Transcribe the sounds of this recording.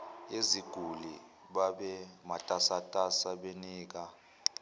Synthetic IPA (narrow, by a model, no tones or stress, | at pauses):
eziɡ̥ʱulḭ | ɓaɓɛmatʼasatʼasaɓeniːk̬a